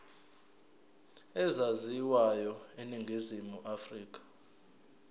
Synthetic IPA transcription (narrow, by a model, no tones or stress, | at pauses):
ɛzaziwajɔeniŋɡʱizimuʔafriːk̬ʼḁ